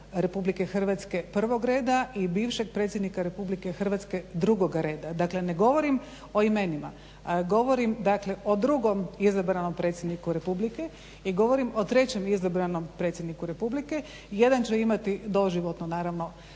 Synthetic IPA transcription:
ɾe̞publike̞xr̩ʋat̪ske̞pr̩ʋo̞ɡɾe̞ːd̪aibiːʋʃe̞ɡ̚pɾe̞ːt̪sʲjed̪nikaɾe̞publike̞xr̩ʋat̪ske̞d̪ɾuɡo̞ɡaɾe̞ːd̪ad̪akle̞ne̞ɡo̞ʋo̞ɾim | o̞ime̞nima̰ | ɡo̞ʋoɾimd̪akle̞ʔo̞d̪ɾuɡo̞mizabɾano̞mpɾet̪sʲjed̪nikuɾe̞publike | iɡo̞ʋo̞ɾimo̞t̪ɾe̞t͡ɕe̞mizabɾano̞mpɾe̞ːt̪sʲjed̪nikuɾe̞publike̞ | je̞d̪ant͡ɕeimat̪id̪o̞ʒiʋot̪nonaːɾaʋno̞

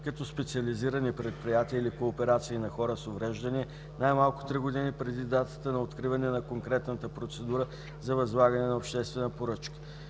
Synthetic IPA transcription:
kɐt̪ɔspɛt̪siɐliziɾənipɾɛt̪̚pɾijat̪iəilikoːpɛɾat̪siːnɐxɔɾəsovɾɛʒd̪əniɛ | najmalˠkʊ̥t̪ɾiɡod̪inipɾɛd̪id̪at̪ə̥t̪ənɐot̪kɾivɐnɛnɐkoŋkɾɛt̪nət̪əpɾot̪sɛd̪uɾə | zɐvɐzlˠaɡɐnɛnɐopʃt̪ɛst̪vɛnəpoɾɤt͡ʃkə̥

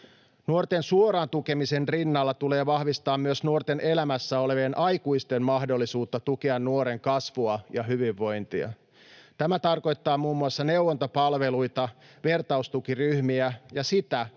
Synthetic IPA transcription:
nuort̪ensuoɾɑːnt̪uke̞mise̞nrinːɑlːɑt̪ule̞ːʋɑhʋist̪ɑːmmyøsnuort̪e̞nʔe̞læmæsːæo̞le̞ʋeːnʔɑjkuist̪emmɑhdo̞lːisuːt̪ːɑt̪ukeɑnːuoɾe̞ŋkɑsʋuɑjɑɦyʋiʋːo̞jnt̪iɑ̰ | t̪æmæt̪ɑrko̞jt̪ːɑːmuːmːuɑsːɑne̞wwont̪o̞pɑlʋe̞lujt̪ɑʋe̞rt̪ɑust̪ukiryhmiæjɑsit̪æ

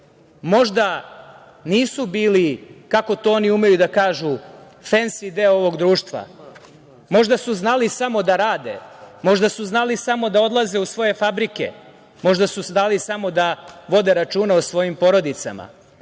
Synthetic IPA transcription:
mo̞ʒd̪a | niːsubiːlikako̞t̪ooniume̞jud̪akaːʒu | fensid̪eoo̞ʋo̞ɡd̪ɾuːʃt̪ʋa̰ | mo̞ʒd̪asuznalisamo̞d̪aɾaːd̪ḛmo̞ʒd̪asuznalisamo̞d̪ao̞d̪lˠaze̞usʋo̞je̞fabɾike̞̰ | mo̞ʒd̪asusnalisamo̞d̪aʋo̞d̪eɾat͡ʃuːnaosʋo̞jimpo̞ɾo̞d̪it̪sa̰ma̰

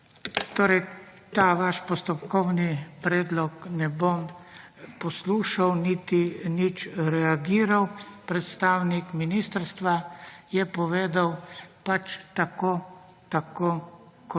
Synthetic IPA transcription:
t̪oːɾɛjt̪aːʋaʃpɔst̪ɔpkʰɔwnipɾɛːd̪lɔknɛbom | pɔsluːʃawnit̪init͡ʃɾɛaɡiːɾawpɾɛt̪st̪aːwnikminist̪əɾst̪ʋajɛpɔʋeːd̪awpat͡ʃt̪akoː | t̪akoː | kɔ

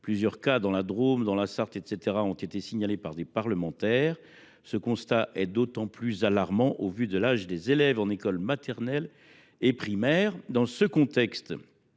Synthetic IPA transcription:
plyzjœʁkad̪ɑ̃lad̪ʁomd̪ɑ̃lasaʁt̪et̪set̪eʁaɔ̃t̪et̪esiɲalepaʁd̪epaʁləmɑ̃t̪ɛːʁ | səkɔ̃st̪aʔɛd̪ot̪ɑ̃plyzalaʁmɑ̃ʔovyd̪əlaʒd̪ezelɛvɑ̃nekɔlmat̪ɛʁnɛl | epχimɛːʁd̪ɑ̃səkɔ̃t̪ɛkst̪

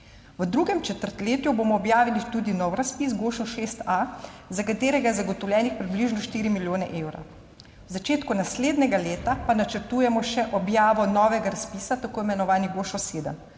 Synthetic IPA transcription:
ʋəd̪ɾuːɡɛmt͡ʃɛt̪əɾt̪leːt̪juboːmɔːbjaːʋilit̪uːd̪inɔwɾaspisɡoːʃɔʃeːst̪azakat̪eːɾɛɡajɛzaɡɔt̪ɔwlʲjʲɛːnixpɾibliʒnɔʃt̪iːɾimiljoːnɛ̰ʔeːwɾa̰ | wzat͡ʃeːt̪kunasleːd̪nɛɡaleːt̪apanat͡ʃəɾt̪uːjɛmɔʃɛʔɔbjaːʋɔnɔːʋɛɡaɾaspisat̪akoːimɛnɔʋaːniɡoːʃɔseːd̪ə̰m

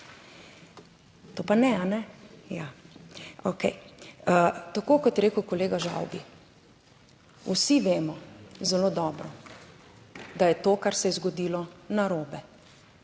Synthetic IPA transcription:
t̪oːpanɛanɛja | okɛj | t̪akoːkɔt̪ɾeːkʊkɔleːɡaʒa̰wbi | usiʋeːmɔzɛloːd̪ɔːbɾɔ | d̪ajɛt̪oːkaɾsɛjɛzɡɔd̪iːlɔnaɾoːbɛ

